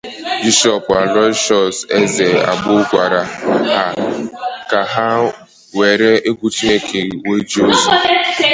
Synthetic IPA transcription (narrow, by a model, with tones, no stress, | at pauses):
bi˦ʃɔ˦˨pa˨ɾɔ˦t͡ʃɔ˨se˦ze˨a̰˨ɡ͡bʊ˦kʷa˨ɾa˨ha˦ | ka˨ɦa˦ | we˨ɾe˦e˦ɡʷu˦t͡ʃi˦ne˦kʰe˨we˦d͡ʒi˦o˦zu˨˦